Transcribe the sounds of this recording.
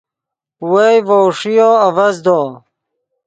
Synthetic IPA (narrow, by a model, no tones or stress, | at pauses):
wejvoːʂijoːɐvɐzd̪oː